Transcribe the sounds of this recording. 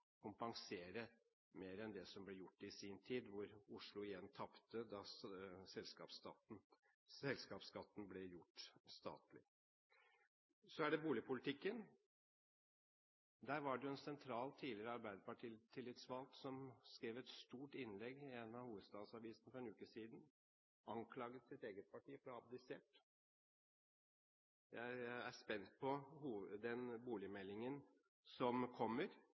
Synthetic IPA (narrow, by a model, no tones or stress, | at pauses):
kʰʊmpɑŋseːɾə | meːɾɛnd̪ɛsɔmblɛjʊʈːɪsiːnt̪ʰiːd̪ʋʊɾʊʂlʊɪjɛnːt̪ʰɑpt̪əd̪ɑsɛlskɑːpsɑt̪n̩ | sɛlskɑːpskɑt̪ːn̩blɛjʊʈːst̪ɑ̰ːt̪lɪ | sɔæɖɛbuːlɪpʰʊlɪt̪ʰɪkːən | d̪æɾʋɑɖɛjʊɛnsɛnt̪ʰɾɑːlt̪ʰiːlɪɾəɑɾbæɪd̪əpɑʈʰiːt̪ʰːɪlːɪt̪sʋɑlt̪sɔmskɾeːʋɛt̪st̪uːʈɪnlɛɡɪɛnːɑhuːʋəd̪st̪ɑːd̪sɑʋiːsnəfɔɾɛnʉːkəsiːd̪n | ʔɑŋkʰlɑːɡət̪sɪt̪eːɡət̪̚pʰɑʈʰiːəfɾɑɑb̚d̪ɛseːʈ | jæɪæspɛnt̪̚pʰɔhuːd̪ɛnbuːlɪmɛlːɪŋən | sɔmkʰɔmːəɾ